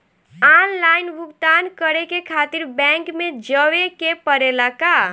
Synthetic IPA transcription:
anlajnbʱuɡd̪ankəɾekekʰat̪iɾbɛ̃ŋkmed͡ʒəwekepəɾelaka

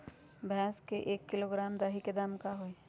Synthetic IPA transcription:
bʱɛ̃ːskeʔeːkːɪloːɡɾaːmd̪aːɦiked̪aːmkaɦoe

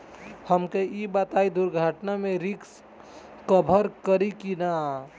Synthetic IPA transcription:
həmkeibat̪aid̪uɾɡʱaʈnamẽɾiks | kəbʱəɾkəɾikina

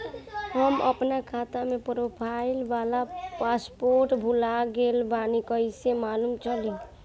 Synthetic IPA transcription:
ɦəmə̰pnakʰat̪amepɾopʰailbalapaspoɾʈbʱulaɡelbanikəɪsemalumt͡ʃʰəli

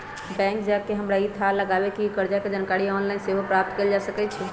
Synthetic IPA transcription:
bɛ̃ŋkd͡ʒakeɦəmɾait̪ʰaləɡabekikəɾd͡ʒaked͡ʒankaɾiɔnlainseɦopɾap̚t̪keld͡ʒasəkɛt͡ʃʰɛ

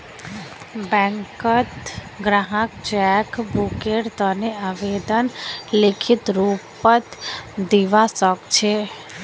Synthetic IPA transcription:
bɛ̃ŋkət̪ | ɡɾaɦəkt͡ʃɛkbukeʈt̪əneaʋed̪ənlɪkʰɪt̪ɾuːpət̪d̪iʋasəkt͡ʃʰe

